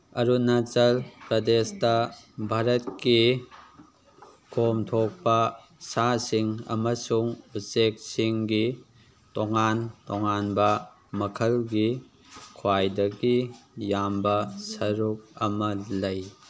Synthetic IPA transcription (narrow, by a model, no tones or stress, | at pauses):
ɐɾunɐt͡ʃɐlpɾɐdestɐbʱaɾɐt̚ki | kʰomtʰok̚pɐ | sasiŋɐ̰mɐsuŋusek̚siŋɡi | toŋantoŋanbɐ | mɐkʰɐlɡi | kʰwajdɐɡijambɐsɐɾuk̚ɐmɐlɐj